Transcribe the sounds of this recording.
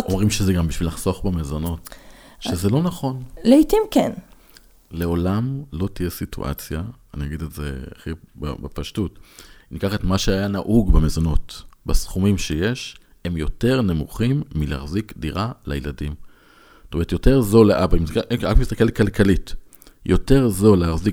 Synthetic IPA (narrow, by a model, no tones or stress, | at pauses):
omʁimʃezeɡambiʃvilaχso̞χbamezo̞no̞t | ʃezelo̞naχo̞nleitimken | le̞o̞lamlo̞tijesitṵʔa̰t͡sjaː | niaɡidetzḛa̰χiba̰bepaʃtutinikaχetmaʃeajanaʔuɡbemezo̞no̞tbasχumimʃeje̞ʃ | e̞mjo̞te̞ʁne̞muχimːilea̰χzikdiʁala̰jeladim | ssotomeet̪jo̞te̞ʁzo̞leʔabaimsʁakmist̪akelkalkalit | jʔo̞te̞ʁzo̞leaʁzik